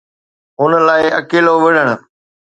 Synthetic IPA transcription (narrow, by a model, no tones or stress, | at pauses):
ɦʊnə̆laːɪɐkeːloʋɪɽ̤əɽ̃ʊ̆